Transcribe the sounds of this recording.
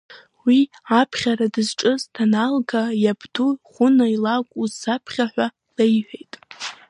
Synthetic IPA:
wi | apʰχʲaɾadɨzʈ͡ʂʼɨztʰanalɡajabduχʷʊnailakʷʼuzapʰχʲaħᶣʷa | lejħʷᶣejtʼ

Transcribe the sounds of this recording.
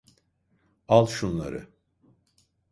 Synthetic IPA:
alˠʃunlˠa̰ɾɯ̰

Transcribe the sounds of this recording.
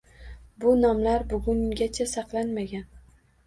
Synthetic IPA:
bʊnɒmlaɾbʊɡʲʊŋɡʲat͡ʃʰasɑqlˠanmaɡʲan

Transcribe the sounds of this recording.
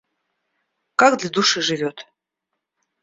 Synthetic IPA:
kakd̪lʲad̪uʂɨʐɨvʲot̪

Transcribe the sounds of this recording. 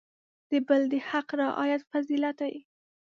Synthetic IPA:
d̪̥əbəld̪əhaqɾɑʔɑ̰jat̪fazilat̪aji

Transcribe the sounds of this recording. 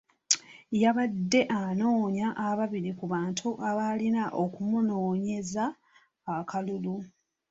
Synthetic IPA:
jaβadːe̞ʔano̞ːɲaʔːβaβiɾikuβaːntʰuʔaβalinaʔo̞kumuno̞ːɲe̞zaː | kʰalulu

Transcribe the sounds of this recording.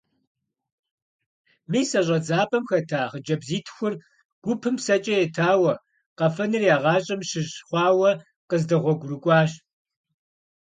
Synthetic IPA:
miːsɐʑʼɐd͡zaːpʼɐmxɐtʰaːχəd͡ʒɐbziːtʰxʷʊr | ɡ̥ʷʊpʰɨmsɐt͡ʃʼɐjɛtʰaːwɐ | qɐfɐnɨrjaːʁɑːɕʼɐmɕɪʑχʷɑːwɐ | qəzdɐʁʷɔɡʷʊrɨkʷʼɑːɕ

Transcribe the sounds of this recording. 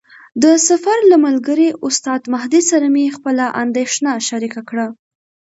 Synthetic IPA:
d̪əsafaɾlamalɡəɾiʔʊst̪ɑd̪maɦd̪isaɾamexpəlaʔand̪eʃnaʃaɾikakɽa

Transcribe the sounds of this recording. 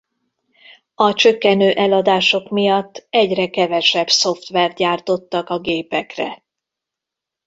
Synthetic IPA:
ɒt͡ʃøkːɛnøːʔɛlɒd̪aːʃo̞kmijɒt̪ːɛɟrɛkɛvɛʃɛbso̞ft̪ʋɛrt̪̚ɟaːrt̪o̞t̪ːɒkɒɡeːpɛkrɛ̰

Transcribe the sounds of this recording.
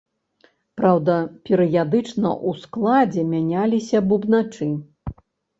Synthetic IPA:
pɾawd̪ɐpʲɛɾɨjad̪ɨt͡ʂnɐ̰ʔusklˠad͡zʲɛmʲanʲalʲisʲɐbubnat͡ʂɨ

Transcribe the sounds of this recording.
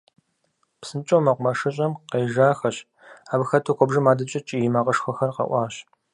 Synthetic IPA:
psɨnt͡ʃʼowmɐqʷmɐʂɨɕʼɐmqeːʒaːxɐɕ | aːbxɐtʰokʷɔbʒɨmaːdɐt͡ʃʼɐt͡ʃʼijɪmaːqɐʂxʷɔxɐrqɐ̰ʔʷɑːɕ

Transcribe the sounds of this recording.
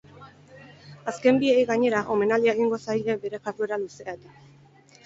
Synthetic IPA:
aske̞mbiejɣaɲe̞ɾaʔo̞me̞naliaeɣiŋɡo̞sajʎebe̞ɾe̞kat̪ue̞ɾaluseat̪a

